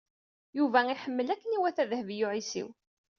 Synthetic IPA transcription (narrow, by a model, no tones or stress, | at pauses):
juvæiħəmːəlækːəniwæθæðəhvijʊʕisḭw